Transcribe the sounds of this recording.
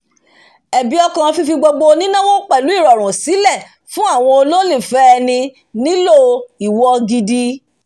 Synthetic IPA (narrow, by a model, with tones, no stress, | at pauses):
ɛ˨bi˨˦ɔ˧kã˨˧fi˧fi˧ɡ͡bo˧ɡ͡bo˧nĩ˦nã˦wɔ̃˦k͡pɛ˦˨lu˨˦i˦˨ɾɔ˨ɾ̃ũ˨si˨˦lɛ˦˨ | fũ˦a˦˨w̃ɔ̃˧o˧lo˦li˦˨fɛ˦ɛ˧nĩ˧ | nĩ˦lo˦˨i˨wɔ˧ɡi˧di˧